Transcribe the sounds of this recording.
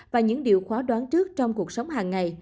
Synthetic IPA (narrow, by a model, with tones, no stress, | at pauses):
vaː˨˩ɲɨ̰˧˥ŋɗi˨əwxwaː˨˦ɗwaː˨˦nt͡ɕɨ˦˥ək̚t͡ɕɔ˧wŋ͡mku˨˩ək̚sə˨˦wŋ͡mɦaː˨˩ŋːa˨˩j